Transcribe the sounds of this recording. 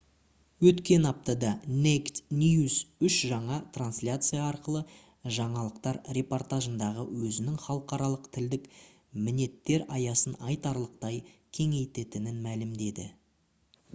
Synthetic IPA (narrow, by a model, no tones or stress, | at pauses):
wɵt̪kʲe̞nɑp̚t̪ɑd̪ɑne̞kt̪nʲijusʏʃʒɑɴɑt̪ʰranslʲat̪sɨjɑːɾqəlˠə | ʒɑɴɑlˠəqt̪ɑɾɾe̞po̞rt̪aʒənd̪ɑʁəwɵzɪnɪŋχɑlˠəqɑɾɑlˠəqt̪ʰɪld̪ɪk | mɪne̞t̪ːe̞ɾɑjɑsənɑjt̪ɑɾlˠəq̚t̪ɑjkʲʰe̞ŋe̞jt̪e̞t̪ɪnɪnmælɪmd̪e̞d̪ɪ̰